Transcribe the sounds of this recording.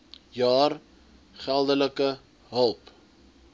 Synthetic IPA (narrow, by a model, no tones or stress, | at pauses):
jɑːr | χælˠdələkə | ɦəlˠp